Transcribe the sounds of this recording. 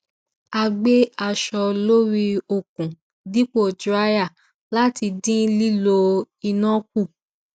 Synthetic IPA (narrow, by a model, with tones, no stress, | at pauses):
a˧ɡ͡be˦a˧ʃɔ˧lo˦ɾi˧o˨kũ˨ | di˦k͡po˦˨d͡ʒɾa˦ja˦˨ | la˦ti˧dĩ˦li˦lo˧ | i˧nã˦k̚u˦˨